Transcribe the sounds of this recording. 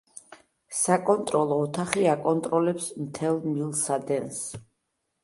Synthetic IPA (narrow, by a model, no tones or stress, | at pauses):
sakʼɔnt̪ʼɾɔlˠɔːt̪ʰaχiakʼɔnt̪ʼɾɔlɛpsmt̪ʰɛlˠmilˠsad̪ɛns